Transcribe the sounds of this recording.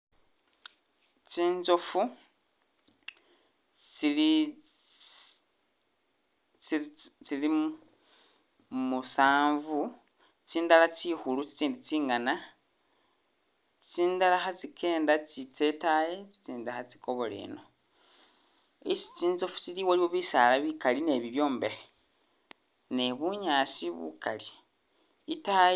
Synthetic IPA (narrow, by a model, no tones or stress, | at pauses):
t͡siːnzofu | t͡sili | t͡sili | musaːɱvu | t͡siːndalat͡sixulut͡si̥t͡siːndit͡siːŋana | t͡si̥t͡siːndalaxat͡sikʰe̞ːndat͡sit͡setaje̞t͡si̥t͡siːndaxat͡si̥ko̞βo̞lḛno̞ | isi̥t͡siːnzofu̥t͡siliwaliwoβisalaβikaline̞βiβjo̞ːmbe̞ɾe | ne̞βuɲaːsiβṵkali | ita